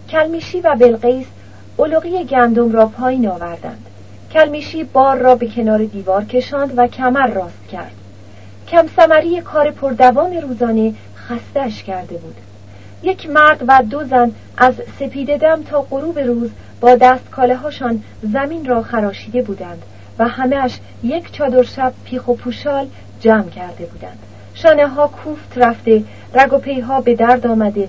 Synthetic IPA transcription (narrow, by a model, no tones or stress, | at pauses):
cʲʰælmiːʃiːvæbe̞lɢejs | oloɣiːjeɟænd̪o̞mɾɒːpʰɒːjiːnɒːvæɾd̪æ̰nd̪̥ | cʰælmiːʃiːbɒːɾːɒːbe̞cʰenɒːɾe̞d̪iːvɒːɾcʰe̞ʃɒːnd̪væcʰæmæɾːɒːst̪cʲʰæ̰ɾd̪̥ | cʰæmsæmæɾiːjekʰɒːɾe̞pʰoɾd̪ævɒːne̞ɾuːzɒːne̞ | xæst̪eæʃcʰæɾd̪e̞buːd̪̥ | je̞cʰmæɾd̪væd̪o̞zæn | ʔæzse̞pʰiːd̪e̞d̪æmt̪ʰɒːɢoɾuːbe̞ɾuːz | b̥ɒːd̪æːst̪kʰɒːleɦɒːʃɒːn | zæmiːnrɒːχæɾɒːʃiːd̪e̞buːd̪ænd̪̥ | væhæmeæʃ | je̞cʰt͡ʃʰɒːd̪o̞ɾʃæb̥̚pʰiːxopʰuːʃɒːl | d͡ʒæːmcʰæɾd̪e̞buːd̪ænd̪̥ | ʃɒːneɦɒːkʰuːft̪ʰræfd̪e̞ | ræɡopʰe̞jɦɒːbe̞d̪æɾd̪ɒːmæd̪e̞